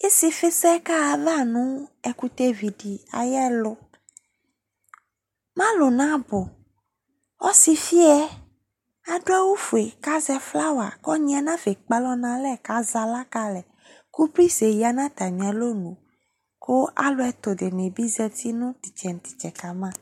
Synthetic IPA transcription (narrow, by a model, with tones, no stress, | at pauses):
e˦si˨fe˦sɛ˦ka˦a˨va˦nũ˦ɛ˨ku˦t̪e˦vi˨ɖi˨a̰˨jɛ˦lʊ˦ | mã˦lo˨nã˦bo˨ | wɔ˦si˨fi˦ɛ˦ | a˨ɖo˦a˦wu˦fu˨e˨ka˦zɛ˦fla˦wa˨kɔ˦ɲĩ˦a˨nã˦fe˨k͡pa˦lɔ˦nã˦lɛ˦˨ka˦za˨la˦ka˦lɛ˨ | ku˦pɾi˦se˨ji˨˦a˨nã˦t̪a˨mĩ˨a˨lo˦nũ˨ | ko˦ʔa̰˦lo˦ɛ˨t̪o˨ɖe˨nẽ˨bi˦zɛ˦t̪ʰi˦nũ˦t̪i˨t͡ʃɛ˨n˨t̪i̥˨t͡ʃɛ˨ka˨mã˦